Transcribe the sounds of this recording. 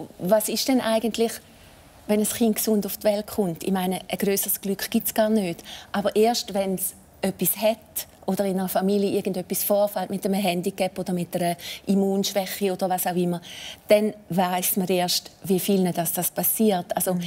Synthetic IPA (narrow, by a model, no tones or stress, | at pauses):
vasɪʃd̥ɛnʔaɪɡəntlɪχ | vɛnəsχintksʊndʊftvɛltχʊntḭmaɪnəʔəɡ̥ʁøːsəʁsɡ̥lykχɡ̥itsɡ̥aːɐnøːtʔabəʁʔeːɐʃtvɛns | œpːishɛtʔod̥əʁɪnəʁəfamiːljəʔɪɐɡən̩døpːisfɔːʁfaltmɪtəməɦɛndikɛpːodəmɪtːɛɾəʔimuːnʃvɛχːiod̥əʁvasaʊɪmːəd̥ɛnvaɪsməɾeːɐʃtviəfilnədasd̥aspʰasiːɐtalso